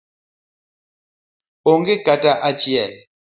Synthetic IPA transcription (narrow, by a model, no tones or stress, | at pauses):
oŋɡekatʼaʔat͡ʃʼia